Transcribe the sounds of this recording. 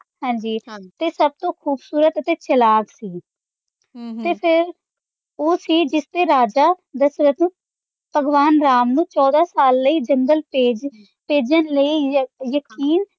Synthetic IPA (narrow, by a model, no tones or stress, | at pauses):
hɛ̃ːɲd͡ʒiːt̪eːsəb̚t̪õːkʰuːbsuːɾət̪ət̪eːt͡ʃəlaːɡsiː | t̪eːpʰɪɾ | oːsiːd͡ʒɪst̪eːɾaːd͡ʒaː | d̪əsɾət̪nũː | pəɡʋaːnɾaːmnũːt͡ʃɔːd̪aːsaːlːəiːd͡ʒəŋɡəleːd͡ʒ | peːd͡ʒənləiːjəkiːn